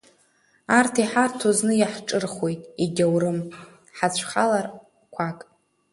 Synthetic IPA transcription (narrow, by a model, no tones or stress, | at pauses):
artʰiħartʰoznɨjaħʈ͡ʂʼɨrχwe̞jtʼiɡʲawɾɨm | ħat͡ɕʷʰχalar | kʷʰakʼ